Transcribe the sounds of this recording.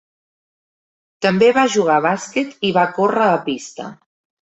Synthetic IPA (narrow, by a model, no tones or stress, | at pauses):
t̪əmbeβaʒuɣ̞aβaskɛt̪iβakorəːpist̪ə̰